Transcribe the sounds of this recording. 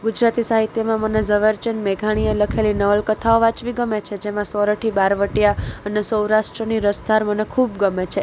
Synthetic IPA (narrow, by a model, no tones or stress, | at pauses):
ɡud͡ʒɾat̪isaɦit̪jəmãmənezəʋəɾt͡ʃənmeɡʱaɽ̃ijeləkʰelinəʋəlkət̪ʰaoʋat͡ʃʋiɡəmet͡ʃʰed͡ʒemãsɔɾəʈʰibaɾʋəʈijaənesəwɾaʃʈɾəniɾəsd̪ʱaɾmənekʰubɡəmet͡ʃʰe